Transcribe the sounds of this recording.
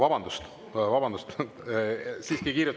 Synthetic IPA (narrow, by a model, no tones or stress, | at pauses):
vɑbɑnd̪̥ust̪ | vɑbɑnd̪ust̪ | siːskikiːɾjut̪ː